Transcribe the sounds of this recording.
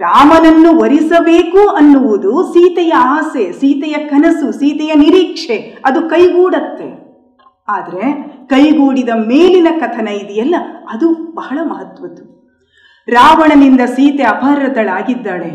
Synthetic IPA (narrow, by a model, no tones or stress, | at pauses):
ɾaːmɐnɐnːuʋɐɾisɐbe̞ːkuɐnːuʋud̪usiːt̪ɛjɐaːsesiːt̪ɛjɐkʰɐnɐsusiːt̪ɛjɐniɾiːkʂeɐd̪ukɐjɡuːɽɐt̪ːe̞̰ | aːd̪ɐɾe̞kɐjɡuːɽid̪ɐmeːlinɐkɐt̪ʰɐnɐid̪ijɐlːɐɐd̪ubɐɦɐɭɐmɐɦɐt̪ʋɐt̪ːu | ɾaːʋɐɳɐnind̪ɐsiːt̪eɐpʰɐɾɐd̪ɐɭaːɡid̪ːaːɭe